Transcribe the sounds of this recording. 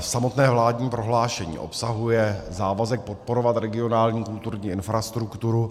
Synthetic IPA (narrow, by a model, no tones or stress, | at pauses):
fsamot̪nɛːvlaːd̪ɲiːpɾo̞ɦlaːʃɛɲḭːʔo̞̰psaɦujɛzaːvazɛk̚pot̪̚poɾovat̪ɾɛɡɪo̞naːlɲiːkult̪uɾɲiːʔɪnfɾast̪ɾukt̪uɾu